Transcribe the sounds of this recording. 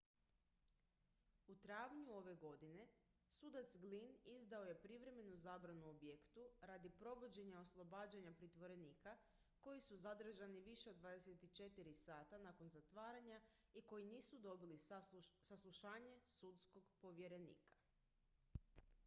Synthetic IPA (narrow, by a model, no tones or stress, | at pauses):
ut̪ɾaʋɲuo̞ʋeɡo̞d̪ine̞sud̪at̪sɡlinizd̪ao̞je̞pɾiʋɾe̞me̞nuzaːbɾanuobjekt̪uɾad̪ipɾo̞ʋo̞d͡ʑe̞ɲao̞slˠo̞baːd͡ʑaɲapɾit̪ʋo̞ɾe̞niːka | ko̞jisuzad̪r̩ʒaniʋiʃe̞od̪ʋaːd̪eset̪it͡ʃe̞t̪iɾisaːt̪anaːko̞nzat̪ʋaːɾaɲa | iko̞jiniːsud̪o̞bilisaslˠuʃaːɲe̞sut̪sko̞ɡpo̞ʋje̞ɾe̞nḭːkḁ